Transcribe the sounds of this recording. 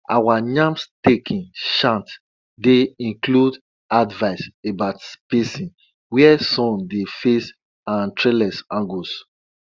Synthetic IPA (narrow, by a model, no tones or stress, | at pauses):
awanãmstekʰĩnʃãnt | deĩnklud | advaɪsebaʊtspesĩn | wɛɛsɔ̃mdefes | ãntɹelɛsãŋɡos